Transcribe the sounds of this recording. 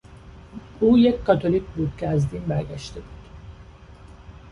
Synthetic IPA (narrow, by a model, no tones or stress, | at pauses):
uːjecʰʲkɒt̪ʰo̞licbuːd̪̥cʰeæzd̪inbæɾɟæʃt̪ʰebud̪̥